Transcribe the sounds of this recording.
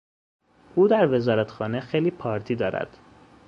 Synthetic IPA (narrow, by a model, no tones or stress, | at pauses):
ʔuːd̪æɾve̞zɒːɾæt̪xɒːne̞xejliːpʰɒːɾt̪ʰiːd̪ɒːɾæ̰d̪̥